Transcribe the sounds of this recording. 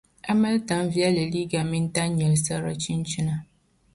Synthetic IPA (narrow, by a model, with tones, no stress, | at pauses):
a˦ma˦lta˨m˦vi˦a˦la˨li˦ɡa˨mɪ˦n˦ta˦ɲɲɛ˨lsa˦ɾa̰˦t͡ʃi˦nt͡ʃi˦na˨